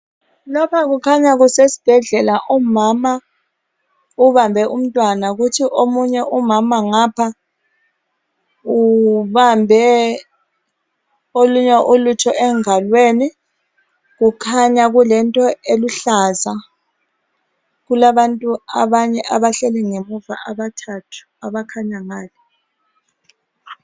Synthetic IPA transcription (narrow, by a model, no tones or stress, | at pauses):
lɔpʰak̬ukʰaɲaɣ̬usesi̥b̥ʱɛɮɛlaʔumama | uβambʱɛʔum̩tʼwanauk̬utʰiʔomuɲɛʔumamaŋapʰa | uβambʱɛ | oluɲɛʔulutʰɔʔɛŋalweːni | k̬ukʰaɲak̬ulɛntʼɔeluɬaːza | kulaɓantʼua̰ɓaɲɛʔaβaɬɛlɛŋemuva̰ʔaɓatʰatʰu̥aβakʰaɲaŋaːlɛ